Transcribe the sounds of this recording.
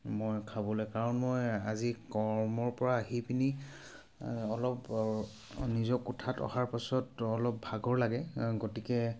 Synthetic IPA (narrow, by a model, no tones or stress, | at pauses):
mojkʰabɔlɔjkaɹɔnmojazikɔɹmɔɹpɔɹaːɦipini | ɔlɔp | nizɔkutʰatɔ̰haɹpasɔtɔlɔp̚bʱaɡɔɹlaɡɛɡotikɛ